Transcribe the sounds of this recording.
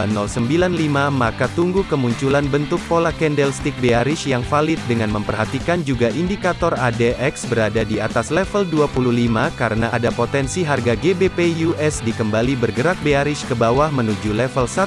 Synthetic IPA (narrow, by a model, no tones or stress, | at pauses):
nɔlsəmbilanlimamakat̪uŋɡukəmuɲt͡ʃulanbənt̪ʊk̚polakɛndɛlst̪ik̚beaɾɪʃjaŋfalɪt̪̚dəŋanməmpərɦat̪ikand͡ʒuɡaʔindikat̪ɔradɛɛksbəɾadadiat̪aslɛfəlduapuluhlimakaɾənaʔadapot̪ɛnsiɦarɡaɡebepejuɛsdikəmbalibərɡəɾak̚beaɾɪʃkəbawahmənud͡ʒulɛfəlsa